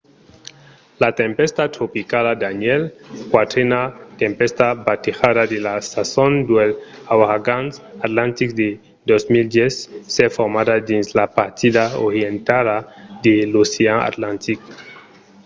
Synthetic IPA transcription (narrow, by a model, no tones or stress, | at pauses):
lat̪empest̪at̪ɾopikalad̪anelkwat̪ɾenat̪empest̪abat̪ixaðad̪elasasond̪wel | awaɡansat̪lant̪ikd̪e | d̪ozmild̪jesːefoɾmadad̪inzlapaɾt̪idao̰ɾjent̪alad̪eluseaa̰t̪lant̪ik